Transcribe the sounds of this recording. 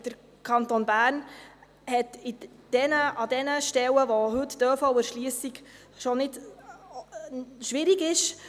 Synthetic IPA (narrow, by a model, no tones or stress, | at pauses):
d̥əɾ | kʰɑnt̪onbæːɾn | hɛt̪ɪ | d̥ɛnəʔɑd̪ɛnəʃtɛwəʋoɦɵtd̥øːfɔʊəɾʃliəsiɡ | ʃonɪd | ʃʋɪɾiɡɪʃ